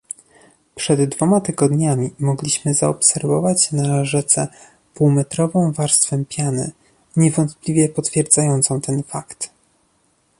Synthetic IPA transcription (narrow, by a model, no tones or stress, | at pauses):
pʂɛd̪ːvɔmat̪ɘɡɔd̪ɲamʲimɔɡlʲiɕmɘzaɔpsɛɾvɔvat͡ɕnaʐɛt̪sɛ | puwmɛt̪ɾɔvɔ̃w̃vaɾst̪fɛmpʲjanɘ̰ | ɲɛvɔnt̪plʲivʲjɛpɔt̪fʲjɛɾd̪zajɔnt̪sɔ̃w̃t̪ʰɛnfakt̪